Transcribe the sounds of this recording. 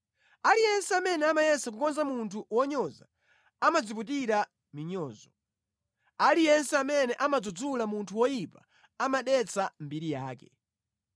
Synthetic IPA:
alijɛnsɛamɛnɛamajɛsak̬ukɔnzamuntʰuwɔɲɔza̰ | amad͡zip̬ut̬iɾa | miɲɔːzɔ | alijɛnsɛamɛnɛʔamad͡zud͡zulamuntʰuwɔjipa | amaɗɛt͡sʰam̩biɾijaːkɛ

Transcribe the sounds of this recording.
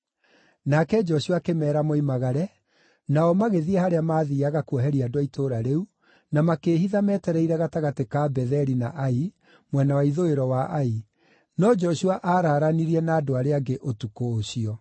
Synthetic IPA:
nakɛd͡ʒɔɕuakemɛːɾamoimaɣaɾɛ | naɔmaɣeðiɛhaɾeamaːðiːaɣakuɔɦɛɾiadowaitʰoːɾaɾeu | namakeːɦiðamɛːtɛɾɛiɾɛɣataɣatekabɛðɛɾinaʔai | mwɛnawaiðoeɾɔwaʔai | nɔd͡ʒɔɕuaʔaːɾaːɾaniɾiɛnaːdoaɾeaɡeʔotukoːɕiɔ

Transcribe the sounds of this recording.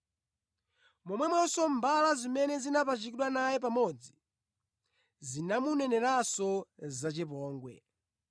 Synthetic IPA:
mɔmwɛmwɔsɔmbalazimɛnɛzinapat͡ʃikiɗwanajɛp̬amɔd͡zi | zinamunɛnɛɾasɔzat͡ʃɛpɔːŋɡwɛ̰

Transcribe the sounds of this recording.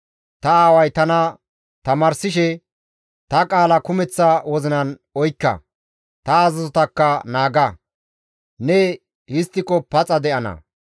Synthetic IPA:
t̪ɐaːwɐjt̪ɐnɐ | t̪ɐmaːɾsɪʃɛ | t̪ɐkʼaːlɐkʊmɛt͡sːɐwɔzɪnɐn | ɔjkːɐ̰ | t̪ɐːzɐzɔt̪ɐkːɐnaːɡɐ | nɛ | hɪst̪ːɪkɔpɐt͡sʼɐd̪ɛʔɐnɐ̰

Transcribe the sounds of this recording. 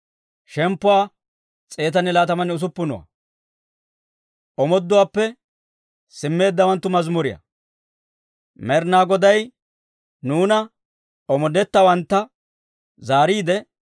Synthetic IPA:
ʃɛmpːʊwaː | t͡sʼe̞ːt̪ɐnɛlaːt̪ɐmɐnɛʊs̬ʊpːʊnɔwɐ̰ | ʔɔmɔd̪ːʊwaːpːɛ | sɪmːe̞ːd̪ːɐwɐnt̪ːʊmɐzmʊɾɪjɐ̰ | mɛɾnaːɡɔd̪ɐj | nuːnɐ | ɔmɔd̪ɛt̪ːɐwɐnt̪ːɐ | zaːɾiːd̪ɛ

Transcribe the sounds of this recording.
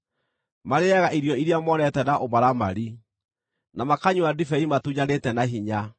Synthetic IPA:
maɾeaɣaʔiɾijɔiɾiamɔnɛtɛnaʔomaɾama̰ɾi | namakaɲuadifɛimatuɲanetɛnaɦiɲa

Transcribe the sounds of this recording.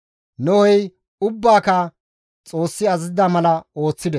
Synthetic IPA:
nɔwɔj | ʊbːaːkɐ | t͡sʼo̞ːsːɪɐzzɪd̪amɐlɐo̞ːt͡sːɪd̪ɛ

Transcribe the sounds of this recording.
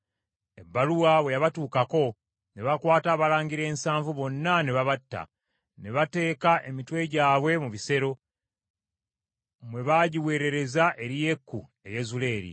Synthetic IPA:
e̞bːaluwaβwe̞jaβatuːkako̞ | ne̞βakwaːtaːβalaːɲɡiɾe̞ːnsaːɱvuβo̞nːane̞βaβatːa̰ | ne̞βate̞ːkaʔe̞mitwe̞ɟaːβwe̞muβise̞ɾo̞ | mwe̞βaɟiwe̞ːɾe̞ɾe̞zaʔe̞ɾije̞kːu | e̞je̞zule̞ːɾḭ

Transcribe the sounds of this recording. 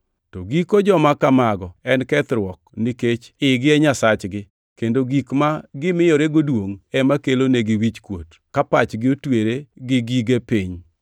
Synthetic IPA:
toɡikod͡ʒɔmakamaɡɔɛnkɛt̪ɾwɔkniket͡ʃɪɡɪɛɲasat͡ʃɡɪ | kendoɡikmaɡɪmɪjoɾeɡodwoŋɛmakeloneɡɪwit͡ʃkwot | kapat͡ʃɡɪotweɾeɡɪɡiɡepiɲ

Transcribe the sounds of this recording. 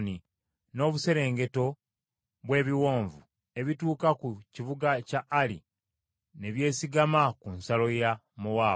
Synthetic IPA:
ni | no̞ːβuse̞ɾe̞ːŋɡe̞to̞ | βwe̞ːβiwo̞ːɱvu | e̞βituːkakuciβuɡacaʔːlḭ | ne̞βje̞ːsiɡamakunsalo̞ja | muwaː

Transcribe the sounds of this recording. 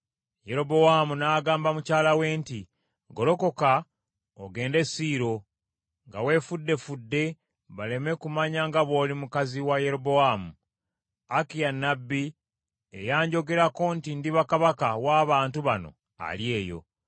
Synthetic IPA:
je̞ɾo̞bo̞wamunaːɡaːmbamucaːlawe̞ːnti | ɡo̞lo̞ko̞ka | oɡe̞ːnde̞siːɾo̞ | ŋɡawe̞ːfudːe̞fudːe̞ | βale̞me̞kumaɲaŋɡaβo̞ːlimukaziwaje̞ɾobo̞waːmu | akijanːabːi | ḛjaːɲɟo̞ɡe̞ɾako̞ntindiβakaβakawaːβaːntuβano̞̰ | a̰lje̞ːjo̞̰

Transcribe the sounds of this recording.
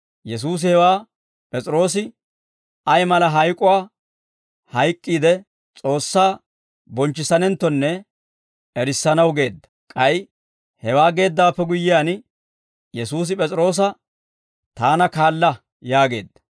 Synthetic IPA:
jɛs̬uːs̬ɪhɛwaː | pʼɛt͡sʼɪɾo̞ːs̬ɪ | ɐjmɐlɐɦɐjkʼʊwaː | hɐjkʼːiːd̪ɛ | t͡sʼo̞ːsːaː | bɔnt͡ʃːɪsɐnɛnt̪ːɔnːɛ | ɛɾɪsːɐnɐwɡe̞ːd̪ːɐ̥kʼɐj | hɛwaːɡe̞ːd̪ːaːpːɛɡʊjːɪjaːn | jɛsuːs̬ɪpʼɛt͡sʼɾo̞ːs̬ɐ | t̪aːnɐkaːlːɐ | jaːɡe̞̰ːd̪ːɐ̥

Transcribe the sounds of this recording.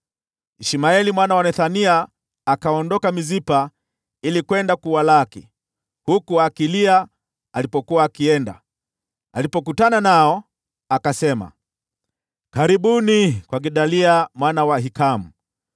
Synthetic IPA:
iʃimaɛlimwanawanɛθaniaː | kaɔndɔkamizipa | ilikwɛndakuwalakḭ | hukuakilia | alipɔkuwaːkiɛnda̰ | alipɔk̬utananaɔ | akasɛma̰ | kaɾiɓunikwaɡiɗaliamwanawaɦikamu

